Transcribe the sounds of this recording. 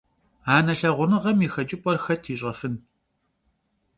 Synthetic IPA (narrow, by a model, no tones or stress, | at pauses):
aːnɐɬɐʁʷʊnɨʁɐmixɐt͡ʃʼɪpʼɔrxɐtʰiːɕʼɐfɨn